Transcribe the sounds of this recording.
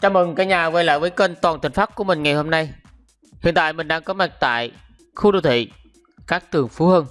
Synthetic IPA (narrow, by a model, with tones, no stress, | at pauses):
t͡ɕaː˧˦mɨ˨˩ŋkaː˨˦jɲaː˨˩və˧jlə̰ː˧˨jvəː˨˦jkəː˧nt̪waː˨˩nt̪ʰï˨˩ŋ̟faː˦˥ku˧˩əmï˨˩ŋ̟ŋa˨˩jho˧mna˧j | hḭ˧˨ənt̪a̰ː˧˨jmï˨˩ŋ̟ɗaː˧ŋkɔ˨˦mɛ˨˧˩k̚t̪a̰ː˧˨j | xu˧ɗo̰˧˩wt̪ʰḭ˧˨ | kaː˦˥k̚t̪ɨ˨˩əŋfu˨˦həː˧n